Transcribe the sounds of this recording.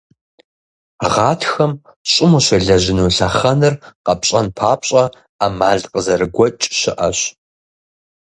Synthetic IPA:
ʁɑːtʰxɐm | ɕʼɪmuɕɐɮɐʑɪnuːɬɐχɐnɨrqɐpɕʼɐnpʰaːpɕʼɐ | aːmaːɮqəzɐrɨɡʷɔt͡ʃʼɕɪʔɐɕ

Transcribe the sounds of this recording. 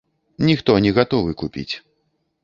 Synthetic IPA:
nʲixt̪ɔnʲɛɣat̪ɔvɨkupʲḭt͡sʲ

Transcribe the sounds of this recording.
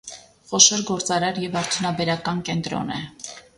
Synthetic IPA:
χɔʃɔɾɡɔɾt͡sɑɾɑɾjɛvɑɾt̪ʰjunɑbɛɾɑkɑnkɛnt̪ɾɔ̰nɛ

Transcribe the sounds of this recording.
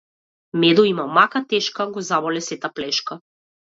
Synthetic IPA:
mɛd̪ɔimamakat̪ɛʃkaɡɔzamɔlɛsɛt̪aplɛʃka

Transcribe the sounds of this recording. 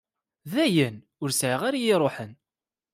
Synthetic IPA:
ðæjən | ʊɾsʕəʁaɾajɪɾˤoħən

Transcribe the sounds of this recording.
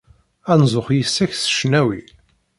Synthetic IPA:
ænzˤʊχjəsːæçθə̥ʃnæwi

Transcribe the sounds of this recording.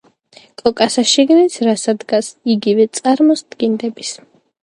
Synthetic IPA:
kʼɔkʼasaʃiɡnit̪sʰɾasad̪ɡasiɡivɛt̪sʼaɾmɔsd̪ɡind̪ɛbis

